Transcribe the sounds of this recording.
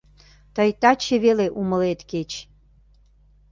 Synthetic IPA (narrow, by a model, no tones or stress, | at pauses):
t̪əjt̪ɑt͡ɕeβeleʔuməlet̪ket͡ɕ